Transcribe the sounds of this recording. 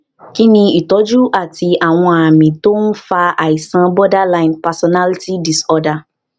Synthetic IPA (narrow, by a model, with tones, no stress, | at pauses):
ki˦nĩ˧i˨tɔ˨˦d͡ʒu˦ʔa˦˨ti˧a˨w̃ɔ̃˧a˨mĩ˨to˦n̩˦fa˧a˨i˨sã˧bɔ˦da˦lã˧jnpa˨sɔ˧˨na˦li˦ti˦di˨sɔ˧da˧